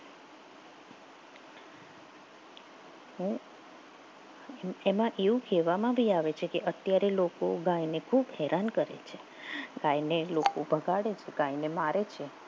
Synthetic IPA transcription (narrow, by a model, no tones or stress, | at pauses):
ɦũ | emãʔeʋũkɛʋamãbʱiaʋet͡ʃʰekeʔət̪jaɾelokoɡajnekʰubɦɛɾʔankəɾḛt͡ʃʰe | ɡãjnelokobʱəɡʱaɽet͡ʃʰeɡãjnemaɾet͡ʃʰe